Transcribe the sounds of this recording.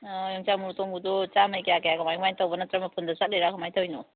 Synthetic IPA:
juŋt͡ʃamuɾtoŋɡudɔt͡ʃamɐjkejakejakɐmajmajntowbɐnɐtɾɐmɐpʰundɐsat̚lejɾakʰumajtʰɐwjno

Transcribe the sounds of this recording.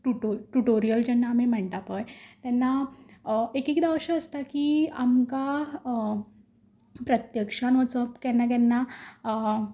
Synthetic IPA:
ʈuʈoʈuʈoɾijəld͡ʑɛnːaːm̤im̤əɳʈ̪apəjt̪ɛnːa | ekikd̪aʋɕəəst̪akiːa̰mka | pɾət̪jəkʂanʋət͡səpkɛnːak̬ɛnːa

